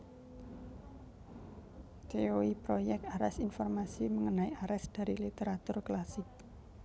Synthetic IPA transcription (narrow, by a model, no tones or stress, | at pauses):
t̪eoipɾojɛk̚t̪aɾɛsinfɔrmasiməŋənaiʔaɾɛsd̪̥a̤ɾilit̪eɾat̪ʊrklasɪk̚